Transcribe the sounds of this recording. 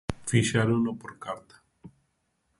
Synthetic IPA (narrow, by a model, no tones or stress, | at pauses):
fiʃaɾunopoɾkaɾt̪ḁ